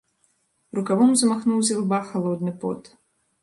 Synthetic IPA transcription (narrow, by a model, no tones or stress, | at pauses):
rukavɔmzɐmaxnuwzʲalˠbaxalˠɔd̪̚nɨpɔ̰t̪